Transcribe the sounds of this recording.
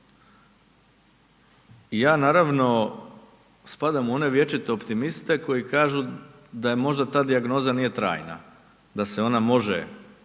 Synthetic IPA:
ijaːnaːɾaʋno̞ | spad̪amuo̞ne̞ʋje̞t͡ʃit̪eopt̪imist̪e̞ko̞jikaːʒu | d̪ajemo̞ʒd̪at̪aːd̪iaɡno̞ːzanije̞t̪ɾa̰ːjna̰ | d̪ase̞o̞namo̞ʒḛ

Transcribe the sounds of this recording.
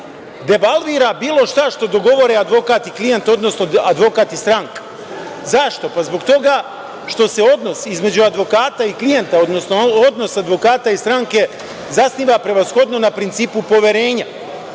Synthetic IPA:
d̪e̞balˠʋiːɾabiːlˠo̞ʃt̪aʃt̪o̞d̪o̞ɡo̞ʋo̞ɾead̪ʋo̞kaːt̪iklijent̪o̞d̪no̞sno̞ad̪ʋo̞kaːt̪ist̪ɾaŋkḁ | zaʃt̪o̞pazbo̞kt̪o̞ɡa | ʃt̪o̞se̞o̞d̪no̞sizme̞d͡ʑuad̪ʋo̞kaːt̪aiklije̞nt̪ao̞d̪nosnood̪no̞sad̪ʋo̞kaːt̪aist̪ɾaŋke̞ | zasniːʋapɾe̞ʋasxo̞d̪no̞napɾint̪siːpupo̞ʋe̞ɾe̞ːɲa

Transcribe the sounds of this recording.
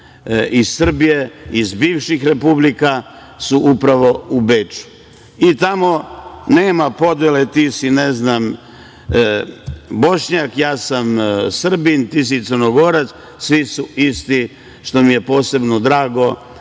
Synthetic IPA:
izsr̩bije̞izbiːʋʃixɾe̞publika | suʔupɾaʋo̞ubet͡ʃu̥ | it̪amo̞neːmapo̞d̪jelet̪isineznam | bo̞ʃɲakjaːsamsr̩bint̪is̬it̪sərnoɡo̞ɾat̪s | sʋisuist̪i | ʃt̪o̞mije̞po̞ːse̞bnod̪ɾaːɡo̞

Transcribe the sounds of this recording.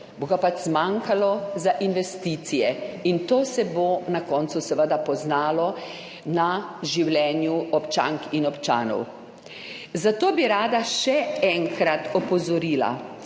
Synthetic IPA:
boɡapat͡ʃzmaŋkalɔzaʔinʋɛst̪iːt̪sijɛint̪oːsɛbonakɔːnt̪susəʋəd̪apɔznaːlɔ | naʒiwlɛːnjuɔpt͡ʃa̰ŋkinɔpt͡ʃa̰ːnɔ̰w | zat̪oːbiɾaːd̪aʃɛɛŋkɾat̪ɔpɔzɔɾiːla̰

